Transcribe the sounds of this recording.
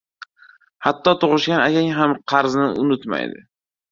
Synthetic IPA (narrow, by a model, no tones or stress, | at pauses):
hat̪ːɒt̪ʰoʁɨʃɡʲanakʲaŋɦamqʰɑɾznɪ̰ʔʊnʊt̪ma̰jd̪ɪ̰